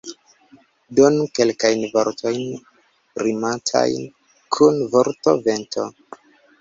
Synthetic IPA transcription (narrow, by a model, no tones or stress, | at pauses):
donuke̞lkajnvoɾtʰo̞jn | ɾimatʰa̰jn | kʰunvoɾto̞̰ventʰo̞̰